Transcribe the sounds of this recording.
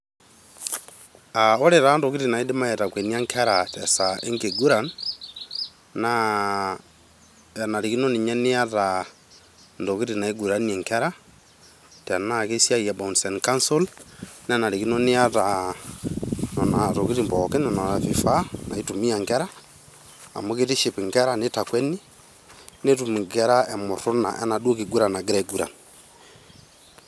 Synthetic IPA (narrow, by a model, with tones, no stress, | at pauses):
a˨ɔ˦ɾe˨ɾa˨˦ndo˨ki˦ɾi˨na˨i˦de˦ma˦ɛ˨ɾakwe˨ni˦a˦ŋkʰɛ˦ɾa˨ta˨saʔe˦ŋɡe˨ɡu˦ɾa˨n | na˨ | na˨ɾi˨ki˦no˦ni˨ɲa˦ni˦a˦ɾa | ndo˨ki˦ɾina˨i˦ɡu˨ɾa˦nɛ˨ŋkɛ˦ɾa˦ | ta˨na˦ke˦sia˦ja˨ba˨u˨nsɛ˨nka˦nsu˦ln˦a˦na˨ɾi˨ki˦nɔ˦nɪ˦a˦ɾa | nɔ˨na˨ɾo˨ki˦ɾi˨mbɔkɛ˦nɛ˨nɔ˨ɾa˨fi˨fa˦na˨i˦tu˨mi˦a˨ŋɡɛ˦ɾa̰ː˦˨ | mo˦ke˦ɾi˦ʃi˨pi˨ŋɡɛ˦ɾa˦ne˦ta˨kwɛ˦ni˦ | ne˦tu˨mi˨ŋɡɛ˦ɾa˦ɛ˨mo˨ɾʊ˦na̰˨ʔɛ̰˦na˨do˦ki˨ɡu˦ɾa˨na˨ɡɾɛɡu˦ɾa̰˨